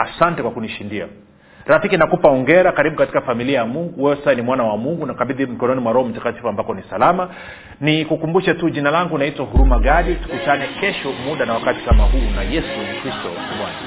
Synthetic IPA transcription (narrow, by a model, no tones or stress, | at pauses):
asantɛkwakuniʃindia̰ | ɾafikinakupaɔŋɡɛɾakaɾiɓukati̥kafamiliajamuŋɡuwɛwɛssaɛnimwanawamuŋɡunakaɓiðim̩kɔnɔnimwaɾɔɔm̩takati̥fuambakɔnisalama | nikukumbuʃɛtuʄinalaŋɡunaitwahuɾumaɡaɗitu̥kutanɛkɛʃɔmuɗanawakati̥kamaɦuːnajɛsukɾistɔ | wa̰na